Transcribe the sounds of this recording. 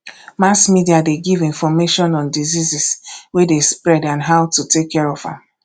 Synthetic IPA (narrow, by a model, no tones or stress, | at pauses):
masmidiadeɡivĩnfɔmeʃɔ̃nɔ̃ndiziziswedespɹɛdãnɦawtutekʰːɛɹɔvã̰m